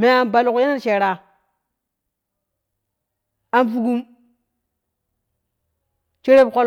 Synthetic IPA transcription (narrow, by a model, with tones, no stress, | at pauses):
me˦a˨nba˨lku˨je˦na˦ɾt͡ʃe˨ɾa˨ | a˨nfu˦ɡu˦m | t͡ʃe˦ɾe˦bko˦l